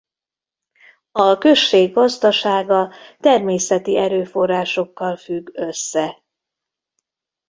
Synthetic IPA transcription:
ɒkø̞ʃːeːɡɒzd̪ɒʃaːɡɒt̪ɛrmeːsɛt̪iɛɾøːfo̞rːaːʃo̞kːɒlfyɡøsːɛ

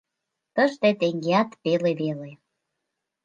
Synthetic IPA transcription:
t̪əʒt̪et̪eŋɡeɑt̪peleβele

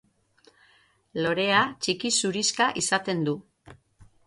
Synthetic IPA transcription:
lo̞ɾe̞at͡ʃikisuɾiskaʔisat̪e̞nd̪u

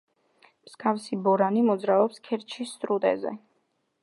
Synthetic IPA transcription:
msɡafsibɔɾanimɔd̪zɾaɔpskʰɛɾt͡ʃʰisːt̪ʼɾut̪ʼɛ̰zɛ̰

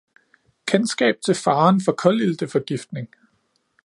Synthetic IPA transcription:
kʰensɡ̥ɛ̰ːb̥̚t͡sʰe̝lfɑ̈ːnfɒ̽kʰɒ̽lild̥əfɒ̽ɡ̥ifd̥ne̝ŋ

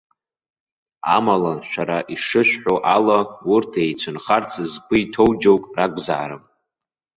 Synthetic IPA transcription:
a̰malaʃʷᶣaɾaʔiʂɨʃᶣħoʔalawurtʰejt͡sʷʰɨnχart͡sʰɨzbɨitʰowd͡ʒowkʼraɡʷza̰aɾɨm

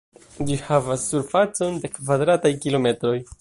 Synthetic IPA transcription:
d͡ʒihavasːuɾfat͡so̞nde̞kvadɾatajkilo̞me̞tɾo̞j

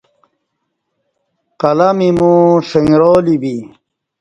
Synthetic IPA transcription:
qɐlɐmimũʂeŋɾoːlibi

